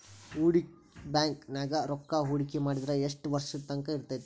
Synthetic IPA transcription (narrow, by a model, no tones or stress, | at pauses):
uːɽi | baːŋknaːɡɐɾɔkːaɦuːɽikimaːɽid̪ɾɐeʂʈʋɐɾʂit̪ːɐŋkɐiɾt̪ajt̪ːu